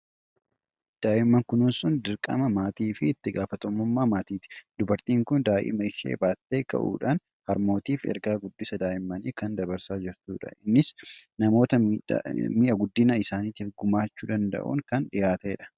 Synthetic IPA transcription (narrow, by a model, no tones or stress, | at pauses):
d̪̥aːʔɪmːɐŋkʊnʊnsʊnd̪ɪɾkʼɐ̰mɐmaːt̪iːfɪːt̪ːɪɡaːfɐt̪ɔmːʊmːaːmaːt̪iːt̪ɪ̥d̪ʊbɐɾt̪iːŋkʊnd̪aːʔɪ̰mɐɪʃḛːbaːt̪ːeːkɐ̰ʔṵːᶑaːn | hɐɾmo̞ːt̪iːfɛ̰ɾɡaːɡʊd̪ːɪsɐd̪aːʔɪmːɐniːkɐnd̪ɐbɐɾsaːd͡ʒɪɾt̪uːᶑɐ̰ʔɪnːɪsnɐmo̞ːt̪ɐ | miːʔɐɡʊd̪ːɪnɐɪsaːniːt̪iːfɡʊmaːt͡ʃːuːd̪ɐnd̪ɐ̰ʔṵːŋkɐnᶑɪjaːt̪eːᶑɐ̥